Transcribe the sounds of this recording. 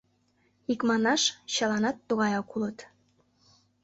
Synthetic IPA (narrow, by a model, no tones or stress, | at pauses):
ikmɑnɑʃɕɑlɑnɑt̪ːuɣɑjɑkulət̪